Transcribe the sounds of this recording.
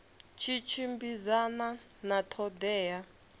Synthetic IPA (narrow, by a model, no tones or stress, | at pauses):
t͡ʃʰit͡ʃʰimbizana | natʰɔdɛːja